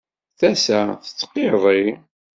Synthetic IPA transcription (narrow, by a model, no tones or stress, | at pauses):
θæsæθə̥t͡sːqːeðˤi